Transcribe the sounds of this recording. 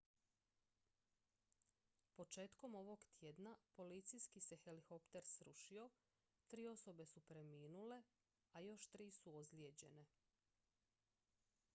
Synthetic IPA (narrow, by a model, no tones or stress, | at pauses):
po̞t͡ʃe̞ːt̪ko̞mo̞ʋo̞ɡt̪jed̪napo̞lit̪sijskise̞xe̞lixo̞pt̪e̞ɾsɾuʃio̞ | t̪ɾiːo̞so̞be̞supɾe̞miːnule̞ | ajo̞ʃt̪ɾiːsuozljed͡ʑe̞ne̞